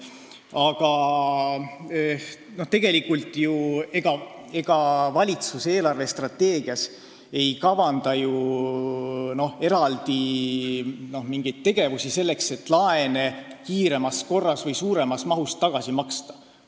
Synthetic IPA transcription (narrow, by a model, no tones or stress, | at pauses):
ɑɡ̥ɑ | no̞ht̪e̞ɡ̥e̞likːˑult̪ːˑjue̞ɡ̥ɑ | e̞ɡ̥ɑvɑlʲit̪suse̞ːlɑrve̞st̪rɑt̪ːe̞ːɡ̥iɑs | e̞jkɑvɑnd̪̥ɑju | no̞he̞ɾɑld̪̥i | no̞hmiŋɡ̥ejd̪̥̚t̪ːe̞ɡ̥e̞vusise̞lːekse̞t̪ːˑlɑe̞ne̞kiːɾe̞mɑsko̞rːɑsvɤjsuːɾe̞mɑsmɑɦust̪ːɑɡ̥ɑsimɑkst̪ɑ̥